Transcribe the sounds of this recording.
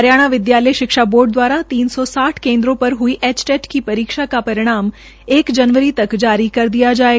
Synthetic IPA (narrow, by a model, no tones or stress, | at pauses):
əɾjaːɽ̃aʋɪd̪jaːləjʃɪkʃaboːɾɖd̪ʋaːɾat̪iːnsɔsaːʈʰkẽːnd̪ɾõpəɾɦʊiʔɛt͡ʃʈeʈkipɐɾiːkʃakapɐɾɪɽ̃aːm | eːkd͡ʒənʋəɾit̪ɐkd͡ʒaːɾikɐɾd̪ijad͡ʒaːe